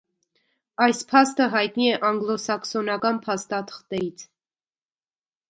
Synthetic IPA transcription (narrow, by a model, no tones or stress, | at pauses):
ɑjspʰɑst̪əɦɑjt̪niɛʔɑŋɡlɔsɑksɔnɑkɑnpʰɑst̪ɑt̪ʰə̥χt̪ɛɾit͡sʰ